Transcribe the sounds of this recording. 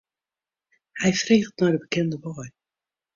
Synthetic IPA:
hɛjfreːχtnɔjdəbəkɛndəbɔj

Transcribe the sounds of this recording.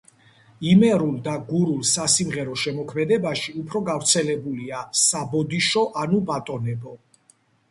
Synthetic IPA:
imɛɾulˠd̪aɡuɾulsasimʁɛɾɔʃɛmɔkʰmɛd̪ɛbaʃiupʰɾɔɡavɾt̪sʰɛlɛbuliasabɔd̪iʃɔʔanubat̪ʼɔnɛbɔ

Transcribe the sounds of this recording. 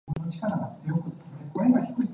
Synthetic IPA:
onot͡ɕi̥kaɾaɡat͡sɨjo̞kɯ̟ekoɾeɡaçi̥kɯ̟i

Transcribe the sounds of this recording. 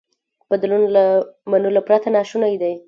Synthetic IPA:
b̥ad̪lunlamanulapɾat̪anɑʃunajd̪aj

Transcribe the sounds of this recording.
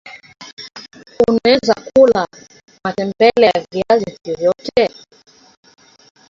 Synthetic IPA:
unɛzakula | matɛmbɛlaviazivjɔvjɔtɛ

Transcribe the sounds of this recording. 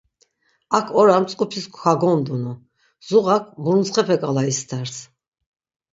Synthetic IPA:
akʰɔɾamt͡sʼqʼupʰiskʰʷxaɡɔnd̪unu | z̥uʁakʰbuɾnt͡sχɛpʰɛkʼalaist̪ʰaɾs

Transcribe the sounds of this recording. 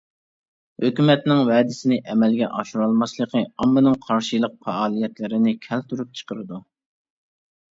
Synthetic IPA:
høkʲymɛt̪nɪŋwɛːd̪ɪsɪnɪʔɛmɛlɡʲɛ̰ʔɑʃuɾɑlˠmɑslˠəqʰəɑmːɨnɨŋqʰɑɾʃilˠəq̚fɛɑːlˠijɛt̪lɪɾɪnɪkʲʰɛlt̪ʰuɾup̚t͡ʃʰə̥qəɾɨd̪u

